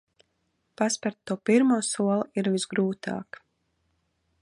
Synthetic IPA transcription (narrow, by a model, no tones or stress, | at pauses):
paspaɾt̪ːuɔpiɾmuːsuɔlˠiɾvizɡɾuːt̪a̰ːk